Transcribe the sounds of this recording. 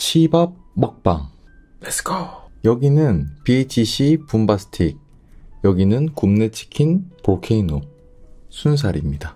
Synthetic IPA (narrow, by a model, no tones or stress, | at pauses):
ɕʰibab̚mʌk̚p͈a̰ŋ | eskajʌɡinɯnpiet͡ɕʰiɕʰipumbasʰɯ̥tʰiɡ̚ | jʌɡinɯnkumne̞t͡ɕʰi̥kʰinpokʰe̞ino | sʰuns̬ʰaɾimɲida